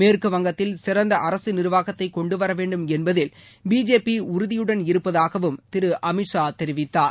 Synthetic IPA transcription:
meːrkɯʋɐŋɡɐt̪ːɪlsɪɾɐnd̪ɐʔɐɾɐsɯnɪɾɯʋaːɣɐt̪ːɐɪkːɔɳɖɯʋɐɾɐʋeːɳɖɯmɛnbɐðɪl | biːd͡ʒeːpiʊɾɯðɪjɯɽɐnɪɾɯpːɐðaːɣɐʋɯmt̪ɪɾɯʔɐmɪʈʂaːt̪ɛɾɪʋɪt̪ːaːɾ

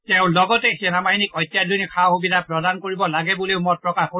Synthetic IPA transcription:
tɛʊ̃lɔɡɔtɛxɛnamaɦinikɔjtjadʱunikʰawxubidʱapɹɔdankoɹibɔlaɡɛbuleʊmɔpɹɔkaxko

